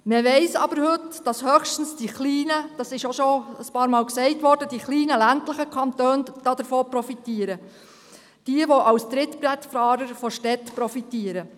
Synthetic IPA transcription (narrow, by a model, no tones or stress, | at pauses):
meʋɛɪsɑ̰bəɾhʏtd̥ɑshœχʃtən̩sd̥iχliːnəd̥ɑsɪʃɔʃɔəspɑːɾmɑːlksɛɪtʋɔɾd̥əd̥iχliːnəlæntlɪχəkʰɑntøːnd̥ɑd̪əɾfoːpɾɔfitiːəɾə | d̥iəʋɔʔɑwsd̥̪ɾɪtbɾɛtfɑːɾəɾfɔʃtɛtpɾɔfitiːəɾə